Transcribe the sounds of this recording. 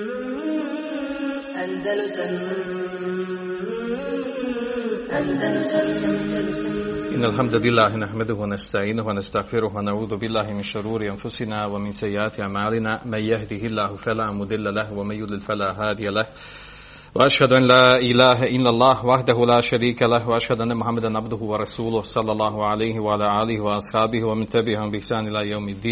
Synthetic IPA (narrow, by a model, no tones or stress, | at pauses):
ʔɪnːalħamd̪alɪlːaːɦɪnaħmad̪ʊhʊwanast̪aʕiːnʊhwanast̪aɣfɪɾʊɦwanaʕuːðʊbɪlːaːɦɪmɪnʃʊɾuːɾɪʔanfʊsɪnaːwamɪnsajːɪʔaːt̪ɪʔaʕmaːlɪnaːmanjahd̪ihɪlːaːhʊfalaːmʊd̪ˤɪlːalahwamanjʊd̪lɪlfalaːɦaːd̪ɪjalah | waʔaʃhad̪ʊʔanlaːʔɪlaːɦaʔɪlːalˤːɑːhwaħd̪aɦʊlaːʃaɾiːkalahwaʔaʃhad̪ʊʔanːamʊħamːad̪anʕabd̪ʊɦʊwɑɾˤɑsuːlʊhsˤɑlːɑlˤːɑːɦʊʕalajhɪwaʕalaːʔaːlɪhɪwɑʔɑsˤħɑːbɪhwamɪnt̪abɪʕahʊmbɪɪħsaːnʔɪlaːjawmɪd̪ːiːn